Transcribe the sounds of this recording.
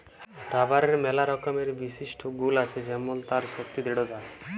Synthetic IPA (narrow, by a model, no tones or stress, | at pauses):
ɾabaɾeɾmɛlaɾɔkɔmeɾbisisʈʰɔɡulat͡ʃʰed͡ʒɛmɔlt̪aɾsɔk̚t̪id̪eɽɔd͡ʒae